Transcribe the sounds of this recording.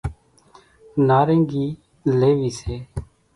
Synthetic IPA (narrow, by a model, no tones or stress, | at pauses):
naːɾẽːŋɡiː | leːʋiːseː